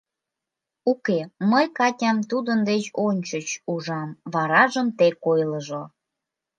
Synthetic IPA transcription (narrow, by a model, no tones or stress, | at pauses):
ukeməjkɑtʲɑmt̪ud̪ənd̪et͡ɕonʲt͡ɕət͡ɕuʒɑmβɑɾɑʒəmt̪ekojləʒo